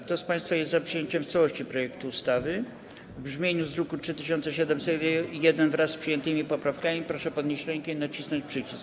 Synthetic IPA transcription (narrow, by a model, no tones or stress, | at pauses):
k̚t̪ɔspãj̃st̪fajɛszapʂɨjeɲt͡ɕɛmft̪sawɔɕt͡ɕipɾɔjɛkt̪uːst̪avɘ | vbʐmʲjeɲuzɾɔkutʂɘt̪ɘɕ̬ɔnt̪sɛɕ̬ɛd̪ɛmsɛjɛd̪ɛnvɾasːpʂɨjɛnt̪ɘmʲipɔpɾafkamʲipɾɔʂɛpɔd̪ɲeɕt͡ɕɾɛŋkɛinat͡ɕisnɔɲt͡ɕpʂɘt͡ɕisk